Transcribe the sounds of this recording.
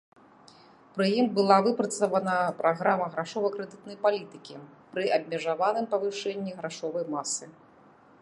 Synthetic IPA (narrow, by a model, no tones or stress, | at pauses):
pɾɨjimbɨlˠavɨpɾɐt̪sɐvɐnɐpɾʔaɣɾamɐɣɾaʂɔvɐjkɾɛd̪ɨt̪nɐjpalʲit̪ɨkʲipɾɨʔɐb̚ʲmʲɛʐavan̪ɨmpɐvɨʂɛnʲːiɣɾaʂɔvɐjmasɨ